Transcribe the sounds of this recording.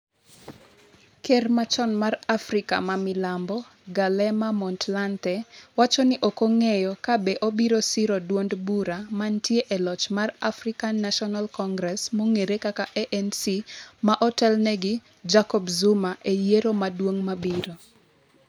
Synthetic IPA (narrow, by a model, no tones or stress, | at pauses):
kermat͡ʃɔnmarafɾɪka̰mamɪlambɔ | ɡalɛmamɔntlantɛwat͡ʃɔnɪʔokoŋejɔkabeʔobiɾosiɾodwondbuɾamantjeʔelɔt͡ʃmarafrikanːaʃɔnalkɔŋɡɾɛsmoŋeɾekakaʔɛʔɛnsimaʔɔtɛlnɛɡɪ | d͡ʒakɔbzumaʔejeɾomadwoŋmabiɾo